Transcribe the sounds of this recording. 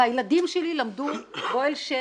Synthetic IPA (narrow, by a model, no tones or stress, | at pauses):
ajlad̪imʃelilamd̪uɡojlʃe